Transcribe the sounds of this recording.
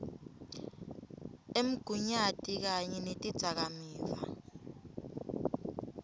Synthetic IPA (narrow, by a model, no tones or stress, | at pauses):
em̩ɡ̥ʱuɲatʼik̬aɲɛnetʼid̥z̥ʱak̬amiːva̰